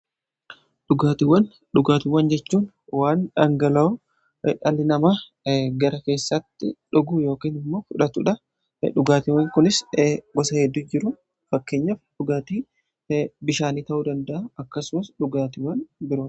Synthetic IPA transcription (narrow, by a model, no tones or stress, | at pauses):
ᶑʊɡaːt̪ɪwɐn | ᶑʊɡaːt̪ɪwːɐnd͡ʒɛt͡ʃːuːn | waːnᶑɐŋɡɐlɐɔ | ᶑɐlɪnɐmaː | ɡɐɾɐke̞ːsːɐt̪ːɪᶑʊɡuːjo̞ːkiːnɪmːo̞ːfʊᶑɐt̪ʊᶑɐ | ᶑʊɡaːt̪ɪwɐŋkʊnɪsɡɔsɐhɛd̪ːud͡ʒɪɾʊ | fɐkːe̞ːɲːɐfᶑʊɡaːt̪iː | bɪʃaːniːt̪ɐʔuːd̪ɐnd̪ɐʔaɐkːɐsʊmɐsɗʊɡaːt̪ɪwːɐnbɪɾoː